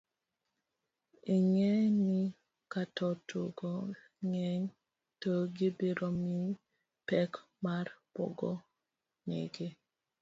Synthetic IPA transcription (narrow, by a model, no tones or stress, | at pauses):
iŋɛni | katɔtʰoɡɔ | ŋɛɲ | təɡibeɾɔmi | pɛk | maɾpɔ̰ɡɔ | nḛɡe